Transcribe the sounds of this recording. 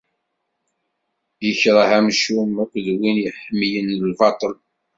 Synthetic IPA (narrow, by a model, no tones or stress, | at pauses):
jəçɾˤəhæmʃumqʷðwinjəħəmːjənlvɑt̪ˤəl